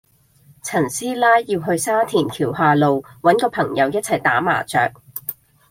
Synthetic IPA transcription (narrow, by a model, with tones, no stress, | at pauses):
t͡sʰɐ˨˩nsiː˥laː˥jːiː˧wɦɵ˧ɥsaː˥t̪ʰiː˨˩nkʰiː˨˩wɦaː˨˧lo˨wwɐ˨˥nkɔː˧pʰɐ˨˩ŋjɐ˨˧wjɐ˥t̚t͡sʰɐ˨˩jt̪aː˨˥ma̰ː˨˩t͡sœ̰ː˨k̚